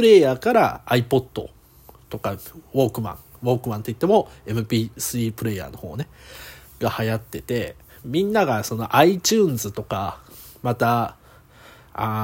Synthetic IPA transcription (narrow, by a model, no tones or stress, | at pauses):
pɾe̞ːjaːkaɾa̰ːipo̞d̪̥ːo̞̰ | t̪o̞kaβo̞ːkɯ̟mã̰ɴ | βo̞ːkɯ̟mãnt̪o̞it̪ːemo̞e̞mɯ̟pʲiːsɨɾiːpɯ̟ɾe̞ja̰ːno̞ho̞ːne | ɡ̥ahajat̪ːe̞t̪e̞ | mʲĩnːaɡaso̞no̞ʔait͡ɕɨːnzɨt̪o̞ka | mat̪a | a